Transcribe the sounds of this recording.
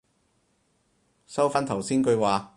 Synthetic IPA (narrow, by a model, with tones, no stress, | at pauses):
sɐ˥wfaː˥nt̪ʰɐ˨˩wsiː˥nkɵ˨˧waː˨